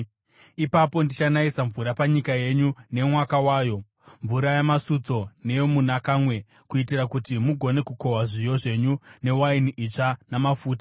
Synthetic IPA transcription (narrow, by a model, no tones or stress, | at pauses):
ipapo̞ndit͡ʃanaisaɱvuɾapaɲikaje̞ɲune̞mwakawaːjo̞ | ɱvuɾajamasut͡so̞ne̞jomunakaːmwe̞ | kuitirakutimuɡʱo̞ne̞kuko̞waʐijo̞ʐe̞ɲune̞wainiʔit͡ʂanamafuːtḁ